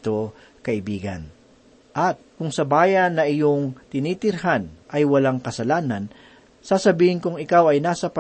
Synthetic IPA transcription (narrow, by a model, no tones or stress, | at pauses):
t̪o | kɐʔɪbiːɡɐ̰n | ʔɐt̪̚kʊŋsɐbaːjɐnːɐʔɪjoŋt̪ɪnit̪ɪɾɦanʔɐjwɐlaŋkɐsɐlaːnɐn | sasɐbiːhɪnkʊŋɪkawɐjnaːsɐpɐ